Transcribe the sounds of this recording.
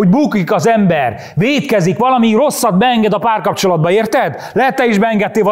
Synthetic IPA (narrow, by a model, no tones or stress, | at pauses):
oɟbuːkikɒzɛmbɛr | veːt̪kɛzikʋɒlɒmiro̞sːɒd̪bɛɛŋɡɛd̪ɒpaːrkɒpt͡ʃo̞lɒd̪̚bɒeːrt̪ɛd̪ | lɛɦɛt̪ːɛiʒbɛɛŋɡɛt̪ːeːvɒ